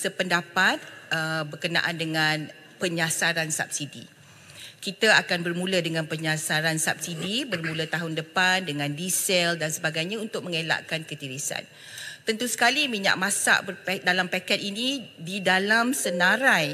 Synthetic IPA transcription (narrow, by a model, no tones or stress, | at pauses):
səpəndapat̪̚əbərkəna̰ʔandəŋãn | pəɲasaɾansa̰p̚sidḭ | kit̪aakanbərmũladəŋãnpəɲasaɾansap̚sidibərmũlət̪aɦʊndəpandəŋãndisɛldansəbaɡajɲãunt̪ʊk̚məŋela̰ʔkankət̪iɾisa̰n | t̪ənt̪usə̥kalimiɲã̰ʔmãsa̰ʔbəpdalampakɛt̪̚inĩdidalamsənãɾaj